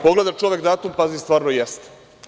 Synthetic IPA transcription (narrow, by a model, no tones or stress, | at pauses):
po̞ɡle̞d̪at͡ʃo̞ʋʲjekd̪aːt̪umpazist̪ʋaːɾnojest̪